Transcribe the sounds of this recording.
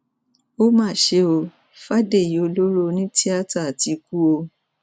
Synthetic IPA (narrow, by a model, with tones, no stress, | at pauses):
o˦mãː˦˨ʃe˧o˧ | fa˦de˦˨ji˨o˧lo˦ɾo˦˧nĩ˦ti˦a˦ta˦˨a˨ti˧ku˦o˧